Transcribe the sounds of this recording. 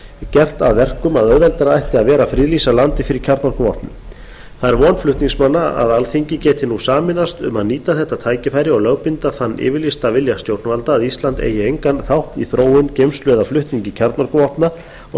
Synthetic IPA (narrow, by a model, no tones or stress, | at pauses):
cɛr̥t̪aðvɛr̥kʏmaðœððɛlt̪ɛɾaajht̪ɪaðvɛːɾafɾiːlisalant̪ɪfɪɾɪɾ̥cʰaɾt̪nɔɾ̥kʏvɔ̰ht̪nʏ̰m | θaðɛɾvɔːnflʏht̪niŋsmanːaa̰ðalθiɲcɪcɛːt̪ɪnusaːmɪnast̪ʏ̰maðniːt̪aθɛht̪ːat̪ʰaːjcɪfaːjɾɪɔɣlœɣpɪnt̪aθanːʔɪ̰ːvɪɾlist̪avɪljast̪jowɾt̪nʏvalt̪aːðist̪lant̪ḛːjɪejŋkanθawht̪iθɾoːwʏncejmslœðaflʏht̪niɲcɪcʰaɾt̪nɔɾrkʏvɔht̪na | ɔ